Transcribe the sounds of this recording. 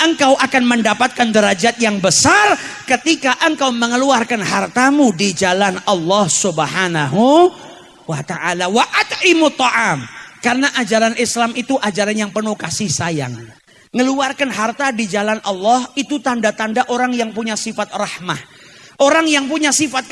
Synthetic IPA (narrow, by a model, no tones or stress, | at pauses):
ʔəŋkawʔakanməndapat̪̚kandəɾad͡ʒat̪̚jaŋbəsarkət̪ikaʔəŋkawməŋəluarkanɦart̪amudid͡ʒalanɑlːɑhsubəhanaɦu | wat̪aʔalawaʔat̪ɪmut̪ːɑʔamkarənaʔad͡ʒaɾanʔɪslamit̪uʔad͡ʒaɾanjaŋpənuhkasɪhsaja̰ŋː | əluarkanɦart̪adid͡ʒalanʔɑlːɑhit̪ut̪andat̪andaʔoɾaŋjaŋpuɲasifat̪̚rɑhmah | ʔoɾaŋjaŋpuɲasifat̪̚